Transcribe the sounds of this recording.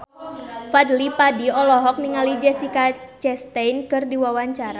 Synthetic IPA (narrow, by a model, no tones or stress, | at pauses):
fadlipadiɔlɔɦɔk̚niŋalid͡ʒɛsikat͡ʃɛst̪ɛnkɨrdiwawaɲt͡ʃaɾa